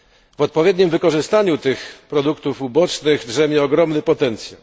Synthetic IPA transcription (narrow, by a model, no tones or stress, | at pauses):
vɔt̪̚pɔvʲjɛd̪ʲɲimvɘkɔʐɘst̪aɲut̪ɘxpɾɔd̪ukt̪ufubɔt͡ʂnɘɣdʐɛmʲjɛɔɡɾɔmnɘpɔt̪ɛnt̪sʲja̰w